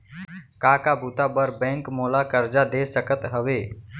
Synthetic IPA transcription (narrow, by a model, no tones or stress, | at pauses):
kaːkaːbʱuːt̪abəɾbɛ̃ːŋkmoːlakəɾd͡ʒad̪eːsəkət̪ɦəʋeː